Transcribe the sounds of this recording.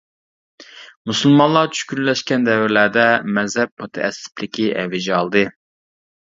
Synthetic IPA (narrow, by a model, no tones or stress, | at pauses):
musulˠmɑnlˠɑɾt͡ʃʰy̥ʃkʲynlɛʃkʲɛnd̪ɛvɪɾlæɾd̪ɛmɛzhɛp̚mut̪ʰɛ̰ʔɛ̰sɪ̥pʰlɪkʲiʔɛ̰vɪd͡ʒɛɑlˠd̪ɨ